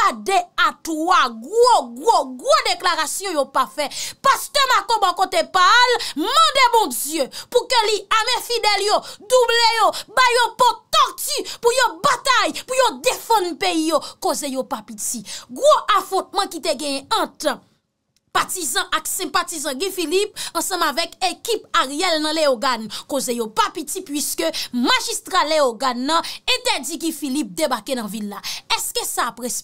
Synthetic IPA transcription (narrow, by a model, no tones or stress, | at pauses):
adeataɡʁoɡʁoɡʁodeklaʁasjɔ̃jopafɛpast̪ɛmakobãkot̪epalmɑ̃debɔ̃d͡zjøpukøliamɛ̃fidɛljod̪ublejobajɔ̃pɔt̪ɔʁtypujobat̪ajpujod̪efãnpeijokozejopapitiɡʁoʔafɔ̃t̪̚mɐ̃kit̪eɡɛ̃jɛ̃ɐ̃t̪ | patizɑ̃ʔaksɛ̃patizɑ̃ɡɛ̃filipɐ̃sɐ̃mavɛkekipaʁɛlnɐ̃leoɡankozejopapitipɥiskømaʒist̪ʁaleoɡanːɐ̃ɛ̃t̪ɛd͡ziɡĩfilip̚d̪ebakenɐ̃vilːaɛskəsapʁɛs